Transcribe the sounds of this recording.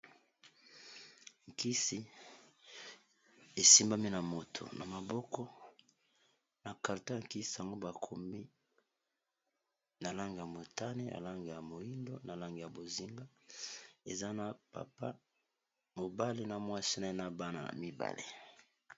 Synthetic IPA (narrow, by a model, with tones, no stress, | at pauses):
ŋki˦si˦ | e˨si˦mba˦mi˦na˨mo˨tʰo̰˨na˨ma˨bɔ˦kɔ˦ | na˨ka˨ʁta˦a˨ŋki˦si˨a˨ŋɡo˦ba˨kʰo˨mi˦ | na˨la˦ŋɡe˨ja˨mo˨ta˦ne˦ja̰˨la˦ŋɡe˨ja˨mo˨ji˦ndo˦na˨la˦ŋɡe˨ja˨bo˨zi˦ŋɡa˦ | e˨za˦na˨pa̰˨pa˦ | mo˨ba˦le˦na˨mwa˦˨si˦na˦i˦na˦ba˦na˨na̰˨mi˦ba̰˨lḛ˨